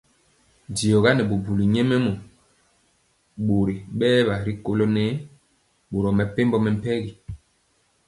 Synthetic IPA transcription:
di˨ɔ˨ɣa˦nɛ˨bo˨bu˨li˨ɲɛ˦mɛ˦mɔ˨ | ɓo˨ɾi˨ɓɛː˦ba˨ɾi˦ko˦lo˦nɛ˦ | ɓo˨ɾɔ˨mɛ˨pe˦mbɔ˦mɛ˨m̩˦pɛ˦ɡi˨

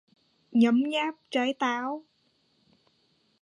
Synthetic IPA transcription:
ɲə˨˦mɲaː˦˥p̚t͡ɕa˨˦jt̪aː˨˦w

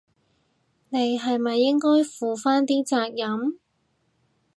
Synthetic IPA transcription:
ne˨˧jɦɐ˨jmɐ˨jːɪ˥ŋkɔː˥jfuː˨faː˥nt̪iː˥t͡saː˧k̚jɐ˨˥m

